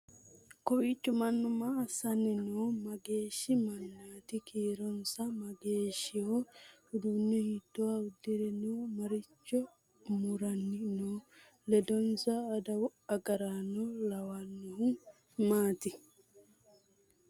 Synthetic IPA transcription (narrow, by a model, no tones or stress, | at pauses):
kɔwit͡ʃːɔmanːɔmaːsanɛnɔmaɡeːʃimanːaːt̪ikiːɾɔnsamaɡeːʃihɔudunːɔhitːɔaudiɾɛnumaɾit͡ʃːɔ | muɾanːinɔ | lɛdɔnsaːdawaɡaɾanɔlawanːuhum | maːt̪i